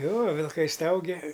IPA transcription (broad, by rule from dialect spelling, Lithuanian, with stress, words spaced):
ˈjoː ʋʲɪlˠˈkɐɪ ˈstɐʊɡʲɛ